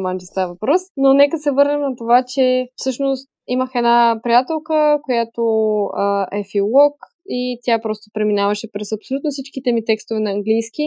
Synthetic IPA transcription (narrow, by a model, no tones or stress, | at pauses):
mand͡ʒist̪avɐvɐpɾɔsnonɛkəsɛvɤɾnɛmnɐt̪ovat͡ʃɛfsɤʃnost̪iməxɛdnapɾijat̪ɛlˠkəkojat̪oəɛfilˠɔk | it̪ʲjapɾɔst̪opɾɛminavɐʃɛpɾɛsɐpsolʲut̪nosit͡ʃkit̪ɛmit̪ɛkst̪ovɛnɐɐŋɡlijski